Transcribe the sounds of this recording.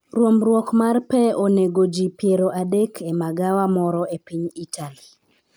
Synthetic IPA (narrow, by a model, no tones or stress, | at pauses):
ɾwomɾwɔkmarpɛoneɡod͡ʒipjeɾoʔadekʰemaɡawamɔɾɔepiɲitʰali